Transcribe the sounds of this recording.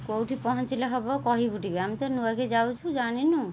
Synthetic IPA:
kowʈʰipɔɦɔnt͡ʃileɦɔbɔkɔɦibuʈikeamit̪ɔɾnuaked͡ʒawt͡ʃʰud͡ʒaɽ̃inu

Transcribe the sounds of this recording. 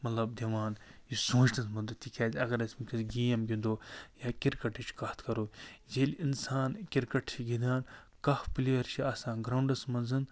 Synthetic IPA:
mɐt̪lɐb̚d̪ʲeʋaːnjisõːt͡ʃt̪ɐsmɐnd̪ɐt̪ːikʲaːzʲɐɡɐɾɐsmikʲisɡʲiːjɐmɡʲind̪oːjaːkʲiɾkɐʈit͡ʃʰkɐht̪ʰkɐɾoːd͡ʒelʲinsaːnkʲiɾkɐʈt͡ʃʰiɡid̪aːn | kɐfpilʲiʋɐɾt͡ʃʰiɐːsaːnɡɾɐwɳɖɐsmɐnzɨn

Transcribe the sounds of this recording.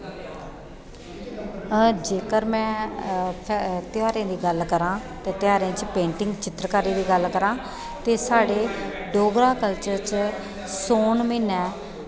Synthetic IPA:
d͡ʒeːkəɾmɛ̃ːpʰt̪ɪjaːɾãːd̪iːɡəlkəɾãːt̪eːt̪ɪjaːɾãːt͡ʃpẽːɳʈɪ̃ŋɡt͡ʃɪt̪ɾkaːɾiːd̪iːɡəlkəɾãː | t̪eːsaːɽeː | ɖoːɡɾãːkəlt͡ʃəɾt͡ʃ | soːnmiːnɛː

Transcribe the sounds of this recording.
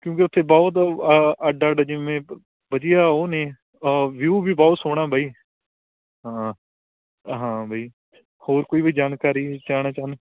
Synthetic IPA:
kjõːk̬eʊt̪ʰːeːbɔːt̪̬əɖːɖaːd͡ʒɪʋẽː | bəd͡ʒɪjaːoːneː | ʋjuːbʱiːbɔːt̪soːɽ̃aːbʱaiː | ɦãː | ɦãːbʱaːiː | hoːɾkoːiːbiːd͡ʒaːnkaːɾiːt͡ʃaːɽaːt͡ʃaːn

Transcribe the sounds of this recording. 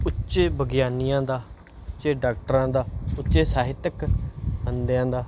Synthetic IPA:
ʊtːʃeːbəɡɪjaːnijãːd̪aː | ʊtːʃeːɖaːk̚ʈəɾãːd̪aːʊtːʃeːsaːɦɪt̪ːəkənd̪jãːd̪aː

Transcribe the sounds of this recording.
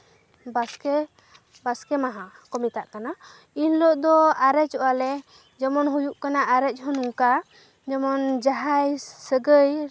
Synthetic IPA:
baskɛ | baskɛmaɦãkɔmit̪aʔkana | inlɔʔd̪ɔaɾɛt͡ʃɔʔalɛ | d͡ʒɔmɔnɦujuʔkanaʔaɾɛc̚ˀɦɔnuŋka | d͡ʒɔmɔnd͡ʒaɦajsəɡəj

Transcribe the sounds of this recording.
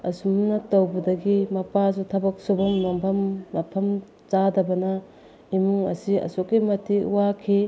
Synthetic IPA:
ɐsumnɐtɐwbɐdɐɡimɐpaz̬utʰɐbɐk̚sobɐŋnompʰɐmːɐpʰɐm | t͡ʃadɐbɐnɐ | imuŋɐ̰siɐ̰sokːimɐtʰiuwakʰi

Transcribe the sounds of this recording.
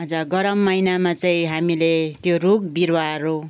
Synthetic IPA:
ʌd͡zʌɡʌɾʌmːʌjnamat͡saĩɦamilet̪joruɡbiɾwaɾo

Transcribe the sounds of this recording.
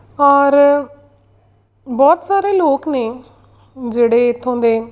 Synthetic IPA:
ɔːɾ | bɔːt̪saːɾeːloːkneː | d͡ʒeːɽeːt̪ʰːõːnd̪eː

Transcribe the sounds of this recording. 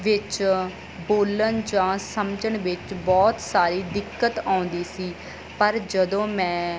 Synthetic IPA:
ʋɪt͡ʃ | boːlənd͡ʒãːsəmd͡ʒəɳʋɪt͡ʃbɔːt̪saːɾiːd̪ɪkːət̪ãːʊ̃nd̪iːsiː | pəɾd͡ʒəd̪õːmɛ̃ː

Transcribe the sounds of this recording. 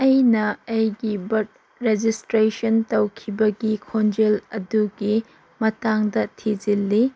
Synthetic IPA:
ɐjnɐɐjɡibɐɾt̚ | ɾed͡ʒistɾesɐntɐwkʰibɐɡikʰond͡ʒelɐduɡi | mɐtaŋdɐtʰid͡ʒilːi

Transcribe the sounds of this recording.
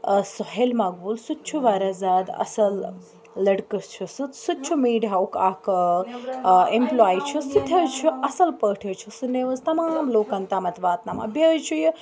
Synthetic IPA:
sɔɦelmaːɡʋulsut̪̚t͡ʃʰuʋaːɾazaːd̪ɐ̰sɐlː | ɐɽkəst͡ʃʰusut̪sut͡ʃʰumiːɖaːukaːk | emplaːit͡ʃʰusut̪ʰɐt͡ʃʰuʔɐsɐlpəːʈʰɐt͡ʃʰusunːeʋɐzt̪ɐmaːmloːkɐnt̪aːmɐt̪ʋaːt̪nama̰bɐt͡ʃʰuji

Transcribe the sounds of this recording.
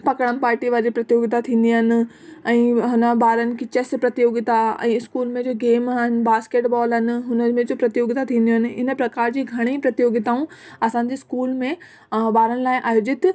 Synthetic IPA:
pɐkəɽ̃əmpaːɾʈiʋaːɾd͡ʑipɾɐt̪joːɡɪt̪at̪ʰĩːnd̪iəɦnɪ̆ | ɛ̃ːɦɐnəbaːɾənɪ̆kit͡ɕespɾɐt̪ijoːɡɪt̪aɛ̰̃ːɪskuːlmẽd͡ʑoːɡeːmaɦɪnɪ̆baːskeːʈbɔːlɦɪnɪ̆ɦʊnəmẽd͡ʑoːpɾɐt̪ijoːɡt̪at̪ʰĩːnd̪iɦənɪ̆ɪnəpɾɐkaːɾd͡ʑiːɡʱɐɽ̃epɾɐt̪joːɡɪt̪aːũɐsãːɲ̆d͡ʑiːskuːlmẽ | baːɾənɪ̆laːɪʔaːjoːd͡ʑɪt̪

